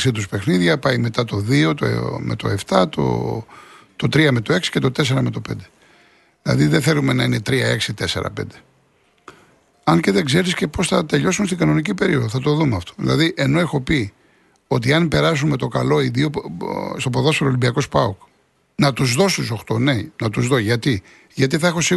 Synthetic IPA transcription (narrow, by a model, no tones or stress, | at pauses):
ɐsit̪uspe̞xniðʝɐpɐjme̞t̪ɐt̪o̞ðio̞t̪o̰me̞̰t̪o̞̰e̞ft̪ɐt̪o̰ | t̪o̞t̪ɾiɐme̞t̪o̞e̞ksi̥cet̪ot̪e̞se̞ɾɐme̞t̪o̞pe̞nd̪e | ðilɐ̰ðiðeθelume̞nɐine̞t̪ɾiɐe̞ksit̪e̞se̞̰ɾɐ̰pe̞nd̪e̞ | ɐnceðeɡze̞ɾisce̞po̞sθɐt̪e̞ʎo̞sunst̪iɡɐno̞nicipe̞ɾio̞ðoθɐt̪o̞ðumeɐft̪o̥ðḭlɐ̰ðiʔe̞no̞exo̞pi | o̞t̪iɐnpe̞ɾɐs̬unme̞t̪o̞kɐlo̞iðiost̪o̞p̬oðosfeɾolimbiɐko̞spɐok | nɐt̪uzðo̞st̪uso̞xt̪onejnɐt̪uzðoʝɐt̪i | ʝɐt̪iθɐexo̞si